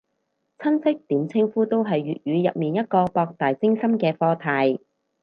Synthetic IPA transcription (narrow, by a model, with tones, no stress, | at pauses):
t͡sʰɐ˥nsɪ˥k̚t̪iː˨˥mt͡sʰɪ˥ŋfuː˥t̪o˥wɦɐ˨jːyː˨t̚jyː˨˧jɐ˨p̚miː˨njɐ˥t̚kɔː˧pɔː˧k̚t̪aː˨jt͡sɪ˥ŋsɐ˥mkɛː˧fɔː˧t̪ʰaː˧j